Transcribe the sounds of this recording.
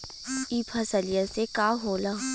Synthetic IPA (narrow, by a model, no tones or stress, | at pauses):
iːpʰɐsəlijasekaːɦoːla